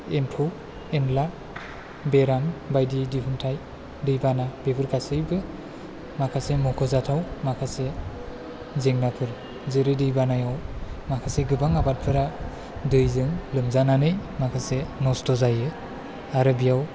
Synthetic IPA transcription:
empʰu | enla | beɾambajdidipʰɯntʰaj | dɯjbanabebʰɯɾɡasɯjbɯ | makʰasemɔkʰɔzatʰawmakʰase | zeŋnapʰɯɾ | zɯɾɯdɯjbanajawmakʰaseɡɯbaŋabat̚pʰɯɾa | dɯjzɯŋlɯmzananɯjmakʰasenɔstɔzajɯ | aɾɯbijaw

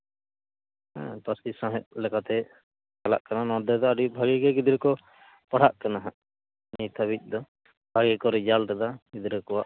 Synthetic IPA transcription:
ɛ̰̃pasisãɦɛʔ̚lɛkat̪ɛ | kala̰ʔkananɔd̪ɛd̪ɔaɖibʱaɡɛɡɛɡid̪ɾɛkɔ | paɽ̤aʔkanaɦaʔ | nit̪ʰabic̚ˀd̪ɔ | b̥ʱaɡɛkɔɾɛd͡ʒalɾad̪aɡid̪ɾəkɔwaʔ

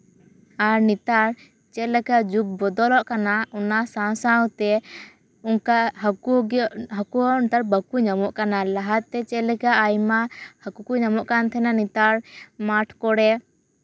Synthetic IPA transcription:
aɾnit̪aɾ | t͡ʃɛlɛkad͡ʒuk̚bɔd̪ɔlɔʔkanaɔnasãsawt̪ɛ | ukaɦuɦakuɔnt̪aɾbəkuɲamɔʔkanalaɦat̪̚t̪ːɛt͡ʃɛlɛkaʔːjmahakukuɲamɔʔkant̪ʰɛnanit̪aɾmaʈʰkɔɽɛ

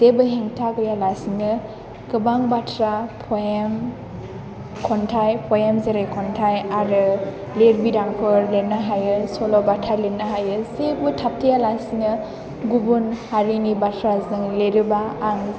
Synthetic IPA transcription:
sebɯɦeŋtʰaɡɯjalasinɯ | ɡɯbaŋbatʰɾapʰɔjem | kʰɔntʰajpʰɔjamzeɾajkʰɔntʰajaɾɯ | leɾbidaŋkʰɔɾlenaɦajɯsɔlɔbatʰalenːaɦajɯsebɯtʰap̚tʰijalasinɯ | ɡubunhaɾinibatʰɾazɯŋleɾɯbaːŋ

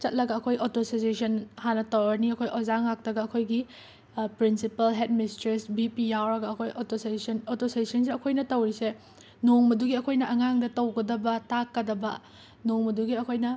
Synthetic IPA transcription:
t͡ʃɐt̚lɐɡɐɐkʰojʔotosisesɐnhanɐtɐwɾɐniɐkʰojʔozaŋak̚tɐɡɐɐkʰojɡi | pɾinsipɐlɦet̚mistɾesbipijawɾɐɡɐɐkʰojotossnotosezisɐns̬iɐkʰojnɐtɐwɾise | noŋmɐduɡiɐkʰojnɐʔɐŋaŋdɐtɐwɡɐdɐbɐtakːɐdɐbɐ̰ | noŋmɐduɡiɐkʰojnɐ

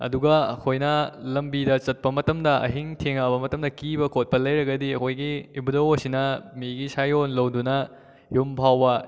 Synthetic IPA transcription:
ɐ̰duɡɐɐkʰojnɐlɐmbidɐt͡ʃɐt̚pɐmɐtɐmdɐʔɐ̰ɦiŋtʰeŋabɐmɐtɐmdɐkibɐkʰot̚pɐlɐjɾɐɡɐdiɐkʰojɡiːbudɐwosinɐmiɡisajonlɐwdunɐ | jumbʰʱawbɐ

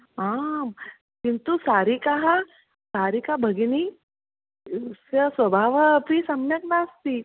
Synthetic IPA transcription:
aːm | kint̪usaːɾikaɦa | saːɾikabʱɐɡini | sɐsʋɐbʱaːʋpisɐmnjɐk̚naːst̪i

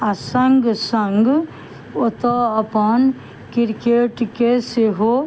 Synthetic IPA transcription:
ɐsɐŋɡsəŋɡ | ot̪oɐpɐn | kɪɾkeʈkeseɦo

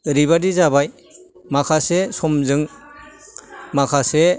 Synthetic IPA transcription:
ɾiβadizabaj | makʰasesɔmzɯŋ | makʰase

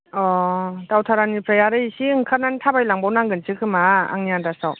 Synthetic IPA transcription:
ɔtawtʰaɾanipʰɾajaɾɯjisiɯŋkʰaɾnantʰabajlaŋbawnaŋɡɯnsʰɯkʰɯmaa̰ŋniandasaw

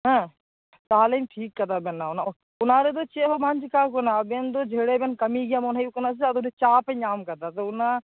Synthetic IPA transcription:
ɦɛ̃ː | t̪aːliːmʈʰiːkːət̪aːbenːaːʊna | ʊnãːɾed̪oːt͡ʃeɦomand͡ʒkaːk̬onaːbend̪oːd͡ʒʱeːɽeːbenkɐmiɡɪjaːmʊnaːiukənas̬eɐd̪onet͡ʃaːpẽɲaːmkɐd̪aːt̪oʊnaː

